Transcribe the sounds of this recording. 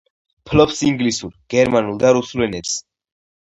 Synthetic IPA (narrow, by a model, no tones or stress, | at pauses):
pʰlɔpsiŋɡlisuɾɡ̥ɛɾmanulˠd̪aɾusulɛnɛps